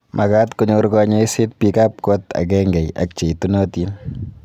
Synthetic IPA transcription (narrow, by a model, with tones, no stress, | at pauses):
mʔa˨ka˦tko˦ɲo˧ɾkɔɲe˦isɪ˦t̚pika˦p̚kɔ˦ta̰˨k̬ɛ˦ŋɡɛ˨ja̰˨k̚t͡ʃe˨tu˦nɔ˦ti˦n